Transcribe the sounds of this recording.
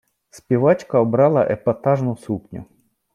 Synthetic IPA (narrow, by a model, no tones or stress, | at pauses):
spʲiʋɑt͡ʃkɐɔbɾɑlˠɐ̰ʔɛpɐt̪ɑʒnʊsupnʲʊ̰